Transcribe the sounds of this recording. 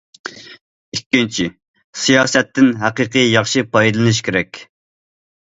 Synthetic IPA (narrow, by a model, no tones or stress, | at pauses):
ikʲːint͡ʃʰi | sijɑːsɛt̪ːɪnɦæqɨqʰɨjɑχʃɨpɑjd̪ɨlˠɨnɨʃkʲʰeɾɛkʲ